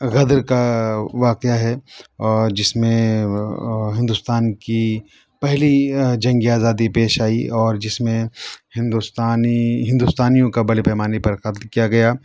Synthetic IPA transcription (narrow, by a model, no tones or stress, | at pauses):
ɣɐd̪ɾkaʋaːqejaɦɛɔːɾd͡ʒɪsmẽ | ɦɪ̃nd̪ʊst̪aːnki | pɛɦlid͡ʒɐ̃ŋɡiaːzaːd̪ipeːʃaːḭɔːɾd͡ʒɪsmẽhɪ̃nd̪ust̪aːniɦɪ̃nd̪ust̪aːnijõkabɐɽepɛːmaːnepɐɾxɐt̪lkijaɡɐjaː